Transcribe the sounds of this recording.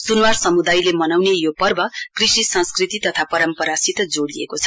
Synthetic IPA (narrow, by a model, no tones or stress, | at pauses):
sunwarsʌmud̪ajlemʌnawnejopʌrbʌkrisisʌ̃nskrit̪it̪ʌt̪ʰapʌɾʌmpʌɾasit̪d͡zoɽliḛkot͡sʰʌ̥